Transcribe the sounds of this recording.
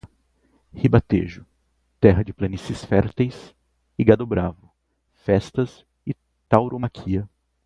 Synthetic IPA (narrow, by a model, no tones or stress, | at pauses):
hibat̪ḛʒʊ | t̪ɛɦɐd͡ʒɪplɐnisɪsfɛɾt̪ejs | ɪɡad̪obɾavʊ | fɛst̪ɐs | ɪ | t̪awɾʔomakʰiɐ